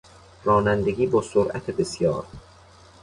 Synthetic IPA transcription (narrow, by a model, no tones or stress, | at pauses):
rɒːnænd̪eɡʲiːbɒːsoɾʔæ̰t̪ʰebesjɒ̰ːɾ